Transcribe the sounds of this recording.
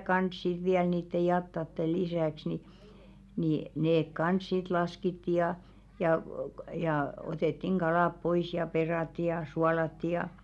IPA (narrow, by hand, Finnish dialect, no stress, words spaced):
kɑns sit̆ ʋiæl niːtːe jɑtːɑtːe lisæˑks ni niˑ neːk kɑns sit lɑskitːi jɑ jɑˑ jɑˑ oteˑtːiŋ ɡ̊ɑlɑˑp pois jɑ perɑˑtːi jɑ suɑlɑtːi jɑ